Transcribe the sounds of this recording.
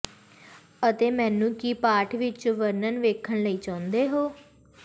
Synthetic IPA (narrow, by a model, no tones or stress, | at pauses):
ət̪eːmɛ̃ːnũːkiːpaːʈʰʋɪt͡ʃʋəɾnənʋeːkʰəɳləiːt͡ʃãːʊ̃nd̪eːɦoː